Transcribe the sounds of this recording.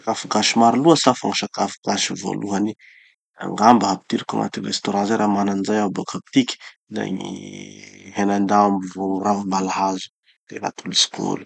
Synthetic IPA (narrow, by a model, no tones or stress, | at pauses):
akafuɡaʃimaɾiluəsafaŋaʃakafuɡaʃivo̰luɦani | a̰ŋɡambəɦapit̪iɾikʲuŋa̰t̪irest̪oɾãzaɾamananzajabokʰap̚t̪ikʲi̥ | na̰ɲḭ | ɦenand̪aamivouravumbalaɦazu̥ | d̪̥eɾa̰t̪ulusi̥ko̰lu̥